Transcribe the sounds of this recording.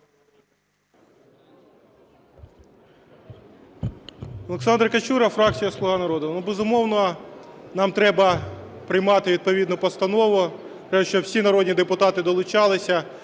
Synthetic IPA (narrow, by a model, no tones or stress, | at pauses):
ɔlˠeksɑnd̪ɾkɐt͡ʃuɾɐfɾɑk̚t͡sʲijɐslˠʊɦɑnɐɾɔd̪ʊnubezʊmɔwnɔ | nɑmt̪ɾɛbɐpɾɪjmɑt̪ɪʋʲid̪̚pɔʋʲid̪nɔpɔst̪ɐnɔʋʊt̪ɾɛʃt͡ʃɔwsʲinɐɾɔdʲnʲid̪epʊt̪ɑt̪ɪd̪ɔlˠʊt͡ʃɑlˠɪsʲɐ